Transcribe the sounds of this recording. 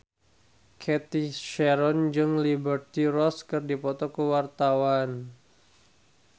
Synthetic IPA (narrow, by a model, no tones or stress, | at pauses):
kʰɛt̪iʃɛɾɔnd͡ʒɨŋlibərt̪irɔskɨrdipɔt̪ɔkəwart̪awan